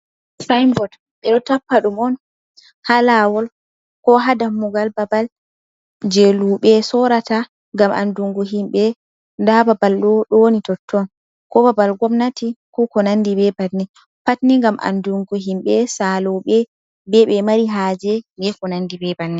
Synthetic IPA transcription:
sajmbɔd | ɓɛɗɔtapːaɗumɔn | halawɔl | kɔɦadamːuɡalbabal | d͡ʒeluɓɛsɔɾata | ŋɡamʔa̰nduŋɡuɦimɓɛ | ndababalɗɔɗɔnitɔtʰːɔn | kɔbabalɡɔmnatikukɔnandibɛbatni | patniŋɡamʔa̰nduŋɡuɦimɓɛsalɔɓɛ | bɛɓɛmaɾiɦad͡ʒɛɡɛkɔnandibɛbanːi

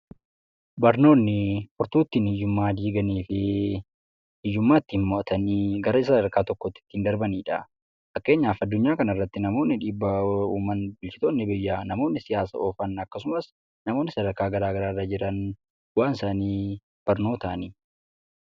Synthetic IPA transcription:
bɐɾno̞ːnːɪfʊɾt̪uːt̪ːiːnhɪjːʊmːaːd̪iːɡɐniːfɪ | hɪjːʊmːaːɪt̪ːɪnmɔʔɐt̪ɐniːɡɐɾɐɪsɐd̪ɐɾkaːt̪ɔkːɔt̪ːɪ̥t̪ːɪind̪ɐɾbɐniːᶑɐ | fɐkːe̞ːɲːaːfɐd̪ːʊɲːaːkɐnɐrːɐt̪ːɪnɐmo̞ːnːɪᶑiːbːɐuːmɐnbɪlt͡ʃɪ̥t̪oːnːɪbɪjːaːnɐmo̞ːnːɪsɪjaːsɐ̰oːfɐnɐkːɐsʊmɐs | nɐmoːnːɪsɐd̪ɐɾkaːɡɐɾaːɡɐɾaːrɐd͡ʒɪɾɐn | waːnsaːniː | b̥ɐɾno̞ːt̪ɐɐniː

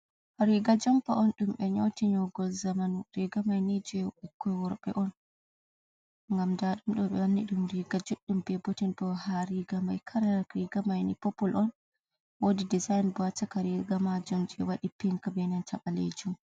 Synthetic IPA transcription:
ɾiɡad͡ʒɔmpaɔnɗumɓɛɲotiɲɔɡɔlzamanɾiɡamajnid͡ʒɔɛukʰːɔwɔɾɓɛ̰ʔɔn | ŋɡamdaɗumɗɔɓɛ̰anːiɗumɾiɡad͡ʒɔɗːumbɛbɔtinbɔhaɾiɡamajkʰaɾaɾiɡamajnipɔpɔlʔɔn | wodidizajnbɔatakaɾiɡamad͡ʒɔmd͡ʒɛ̰waɗipiŋkabɛnantaɓalḛd͡ʒum

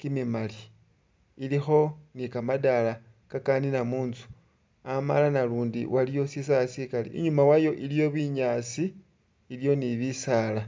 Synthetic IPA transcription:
kimimali | ilixo̞nikamadala | kakaninamuːnzu̥ | ama̰lanaluːndḭwʔalijo̞sis̬ajasikalḭʔḭɲumawajo̞ʔilijo̞βiɲaːt͡siː | ljo̞niβisaːla

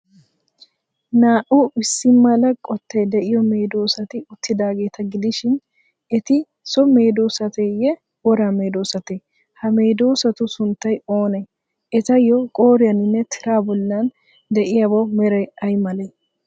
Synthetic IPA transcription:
naːʔʊɪsːɪmːɐlɐkʼɔt̪ʰːɛjd̪ɛʔɪjɔme̞ːd̪oːsɐt̪ɪʊt̪ːɪd̪aːɡe̞ːt̪ɐɡɪd̪ɪʃɪn | ɛt̪ɪ | sɔme̞ːd̪oːsɐt̪ejɛ | wɔɾaːme̞ːd̪oːsɐt̪e | hɐme̞ːd̪oːsɐt̪ʊsʊnt̪ːɐjo̞ːnɛ | ɛt̪ɐjɔkʼo̞ːɾɪjɐnɪnːɛt̪ʰɪɾaːbɔlːɐn | d̪ɛʔɪjɐbɔmɛɾɐjɐjmɐlɐ

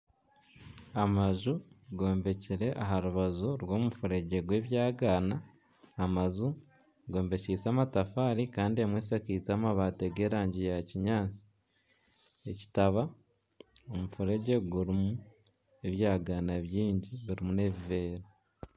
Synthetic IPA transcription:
amaʒuɡo̞ːmbe̞ciɾe̞ʔaɦaɾuβazuɾwo̞ːmufuɾe̞ɟeɡwe̞ːβjaːɡaːnaː | mazu | ɡo̞ːmbe̞ciːt͡samatafaːɾikaːndiemweːsakit͡samaβaːteɡeɾaːɲɟijaciɲaːt͡si̥ | e̞ci̥taβa | omufuɾe̞ɟe̞ɡuɾimu | e̞βjaːɡaːnaβjiːɲɟiβiɾimune̞βive̞ːɾa

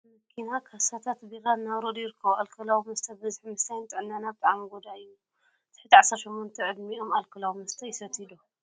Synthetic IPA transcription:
mɐkʰːinakʰasat̪ʰat̪biɣanːaβɾod̪jɪɾɨkʰːɐβoʔalkʰɐlawmɐst̪ʰɐbɨzħmɨst̪ʰajnt̪ʼɨʕɨnːanabɨt̪ʼaʕamiɡod̪aɨju | zʰɨ̥ħɨt̪iʕasɐɾʃo̞mːont̪ʰɐʕɨd̪mio̞malkʰɐlawmɐst̪ʰɐjɪsɐt̪ʰid̪o

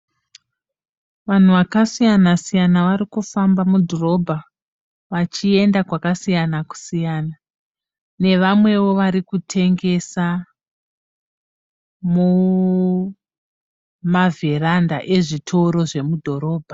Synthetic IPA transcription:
ʋan̤uʋakasijanasijanaʋaɾikufambamudʱoro̞bʱa | ʋat͡ʃie̞ndakwakasijanaku̥sijaːna | ne̞ʋamwe̞ʋo̞ʋaɾikutʰe̞ŋɡe̞sa | mu | maverandaʔe̞ʐitʰoɾo̞ʐe̞mudʱo̞ɾo̞ːbʱa

